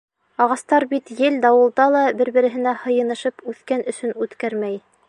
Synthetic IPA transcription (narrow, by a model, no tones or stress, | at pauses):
ɑʁɑst̪ɑɾbit̪jɘld̪ɑwɤ̆lˠd̪ɑlˠɑbɘɾbɘ̆ɾɘ̆ɦɘ̆næhɤ̆jɤ̆nɤ̆ʃɤpʉθkænɵ̆sɵnʉt̪kæɾmæj